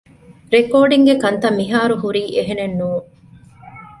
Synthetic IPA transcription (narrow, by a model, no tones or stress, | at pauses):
ɾekoːɖiŋɡekɐnt̪ɐmːiɦaːɾuɦuɾiːʔeɦenenːuː